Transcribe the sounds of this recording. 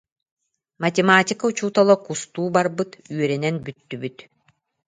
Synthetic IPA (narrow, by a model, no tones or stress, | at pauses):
mɐt̪ʲɛmaːtʲikaut͡ɕuːt̪ɔlˠɔkust̪uːbaɾbɯt̪yœɾɛnɛnbyt̪ːybyt̪